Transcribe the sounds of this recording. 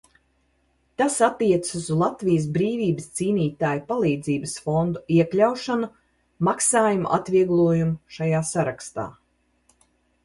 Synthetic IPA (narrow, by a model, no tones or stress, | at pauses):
t̪asat̪ːiɛt̪suszlˠat̪vijəs̬bɾiːviːbəst̪siːniːt̪aːjpalˠiːd̪ziːbəsfɔnd̪uiɛklʲawʃanu | maksaːjumṵʔa̰t̪viɛɡlˠuɔjumuʃajaːsaɾakst̪a̰ː